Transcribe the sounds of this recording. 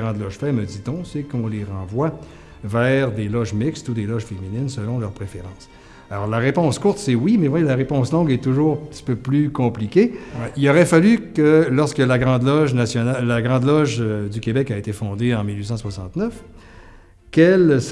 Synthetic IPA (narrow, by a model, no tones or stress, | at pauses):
ʁɑ̃d̪lɔʒfɛməd̪it̪ɔ̃sekɔ̃leʁɑ̃vwa | vɛːʁd̪elɔʒmɪkst̪ud̪elɔʒfeminɪnsəlɔ̃lœʁpʁefeʁɑ̃ːs | alɔ̰ʁlaʁepɔ̃skuʁt̪sɛwimɛvwajelaʁepɔ̃slɔ̃ɡɛt̪uʒuːʁɛ̃pt̪i̥pøplykɔ̃plikʲeilɔʁɛfalykəlɔʁskəlaɡʁɑ̃d̪lɔʒnasjɔnalaɡʁɑ̃d̪lɔʒd̪ykʲebɛkaet̪efɔ̃d̪eɑ̃milɥisɑ̃swasɑ̃t̪nœf | kʲɛls